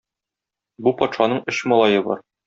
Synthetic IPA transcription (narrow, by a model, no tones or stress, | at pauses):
bupɒt̪ʃɑnɤɴɵɕmɒlˠɑjɤbɒ̰ɾ